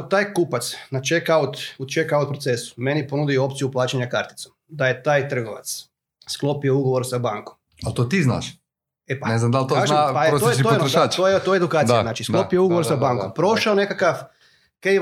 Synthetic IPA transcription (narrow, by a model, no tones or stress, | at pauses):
t̪aːjkupat̪snat͡ʃekaut̪ut͡ʃekawt̪̚pɾot̪sesu̥menipo̞nud̪io̞pt̪sijuplˠaːt͡ʃeɲakaɾt̪i̥t̪somd̪aje̞t̪aːjt̪r̩ɡoʋa̰t̪s | sklˠopiouɡo̞ʋo̞ɾsabaːŋkom | alt̪ot̪izna̰ːʃ | epaneznamd̪alt̪oaʒapaeɾot̪ojeioenɾʃaːt͡ʃ̪ojet̪ojeed̪ukaːt̪janaːt͡ʃisklopijouɡooɾsabaːŋkkompɾo̞ʃaone̞kakaf | kej